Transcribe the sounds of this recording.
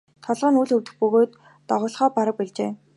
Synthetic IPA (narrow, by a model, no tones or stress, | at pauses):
t̪ʰɔɮʁɞ̆nuːɮɵwt̪ɘ̆xpɵɣoːt̪ː | ɔʁɔːɮχɔːpaɾə̆k̚piɮt͡ɕeː